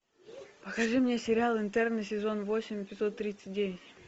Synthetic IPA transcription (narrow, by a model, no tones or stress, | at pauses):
pəkɐʐɨmnʲesʲɪɾʲalˠɨnt̪ɛrnɨsʲɪzo̞nvo̞sʲɪmʲpʲɪt̪sot̪ːɾʲit̪sɨ̥t̚ʲdʲevʲɪtʲ